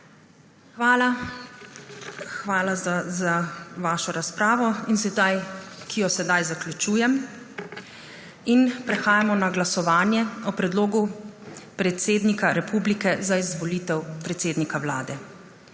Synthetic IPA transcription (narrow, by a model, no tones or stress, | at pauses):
xʋaːla | xʋaːlazaʋaːʃɔɾaspɾaːʋɔins̬ɛd̪ajkʰijɔsɛd̪ajzaklʲut͡ʃuːjɛm | inpɾɛxaːjamɔnaɡlasɔʋaːnjɛɔpɾɛd̪loːɡupɾɛt̪seːd̪nikaɾɛpublikɛzaizʋɔliːt̪ɛwpɾɛt̪seːd̪nikawla̰ːd̪ɛ